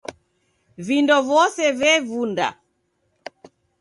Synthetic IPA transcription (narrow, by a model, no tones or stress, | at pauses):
vindɔvɔsɛvɛvunda̰